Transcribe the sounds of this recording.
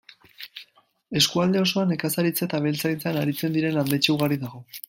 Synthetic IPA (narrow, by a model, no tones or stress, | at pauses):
e̞skuald̪e̞o̞so̞ane̞kasaɾit͡set̪aβ̞e̞lt͡sajnt͡seanaɾit͡se̞nd̪iɾe̞nand̪e̞t͡ʃeuɣaɾiðaɣ̞o̞